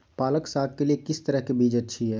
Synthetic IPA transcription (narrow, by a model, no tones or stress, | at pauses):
paːləksaːɡ̚keliekɪst̪əɾəɦkebʱid͡ʒətːt͡ʃʰiɦɛ